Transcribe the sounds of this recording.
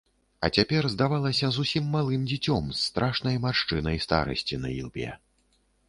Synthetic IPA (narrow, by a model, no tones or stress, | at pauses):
ɐ̰t͡sʲapʲɛrzd̪avalˠɐsʲɐzusʲimːalˠɨmd͡zʲit͡sʲɔmsːt̪ɾʔaʂnɐjmaʂt͡ʂɨnɐjst̪a̰ɾɐ̰sʲt͡sʲinɐ̰ḭlˠbʲɛ̰